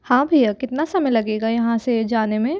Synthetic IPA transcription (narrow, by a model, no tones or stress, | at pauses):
hãːbʱikɪt̪nasɐməjlɐɡeːɡajɐɦãsed͡ʒaːnemẽ